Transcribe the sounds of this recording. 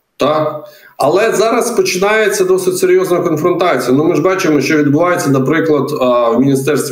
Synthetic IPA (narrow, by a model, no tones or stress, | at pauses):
t̪ɑk | ɐlˠɛzɑɾɐspɔt͡ʃɪnɑjet͡sʲːɐd̪ɔsɪtʲseɾʲjɔznɐjʊkɔnfɾɔnt̪ɑt͡sʲijɐnumɪʒbɑt͡ʃɪmɔʃt͡ʃɔʋʲid̪bʊʋɑjet͡sʲːɐnɐpɾɪklˠɐd̪wmʲinʲist̪ɛrst̪ʋʲ